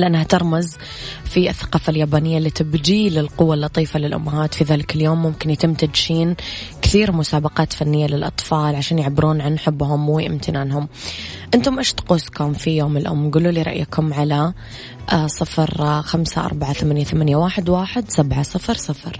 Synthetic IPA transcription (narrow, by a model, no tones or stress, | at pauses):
lʔanːhat̪ɑɾˤmaz | fiʔɪθːḁqɑːfaljaːbaːnɪjːalːiːt̪ɪbd͡ʒiːlɪlqʊwːalːɑt̪ˤiːfalɪlʔʊ̰mːaɦaːt̪fiðaːlɪkɪljoːmːʊmkɪnjat̪ɪmt̪ad͡ʒʃiːn | kθiːɾmʊsaːbɑqɑːt̪fanːɪjːalɪlʔɑ̰t̪ˤfɑːlʕaʃaːnjɪʕbːɪɾuːnʕanːħɪbːhʊmwiʔɪmt̪ʰɪnaːnɦʊm | ʔɪnt̪ʊmʔeʃt̪quːskʊmfijoːmɪlʔʊ̰mːɡuːluːliːɾˤɑ̰ʔjakʊmʕala | sˤɨfɾxamsa̰ʔɑ̰ɾˤbaʕaθamaːnjaθamanjawaːħɪd̪waːħɪd̪sabʕasˤɨfɾsˤɨfɾ